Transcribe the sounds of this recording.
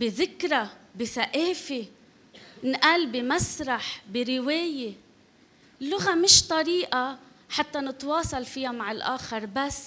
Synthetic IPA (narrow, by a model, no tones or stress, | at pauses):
bɪðɪkɾabɪθaʔeːfe | nʔaːlbimasɾˤɑħbiɾɪweːje | lːʊɣamɪʃt̪ˤɑɾiːʔa | ħat̪ːanɪt̪wɑːsˤɑlfɪjamaʕɪlʔaːxɑɾˤbasː